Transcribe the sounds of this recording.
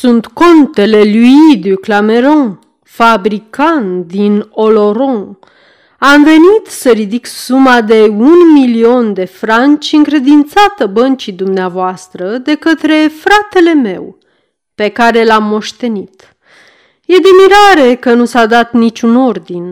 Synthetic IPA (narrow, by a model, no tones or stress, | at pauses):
sunt̪ko̞nt̪e̞le̞luid̪yklame̞ɾõ | fabɾikant̪d̪ino̞lo̞ɾõ | amve̞nit̪səɾid̪iksumad̪e̞unmilio̞nd̪e̞fɾant͡ʃʲɨŋkɾe̞d̪int̪sat̪əbənt͡ʃid̪umneavoast̪ɾəd̪e̞kət̪ɾe̞fɾat̪e̞le̞me̞̰w | pe̞kaɾe̞lamːo̞ʃt̪e̞nit̪ | je̞d̪emiɾaɾe̞kənusad̪at̪nit͡ʃʲuno̞rd̪in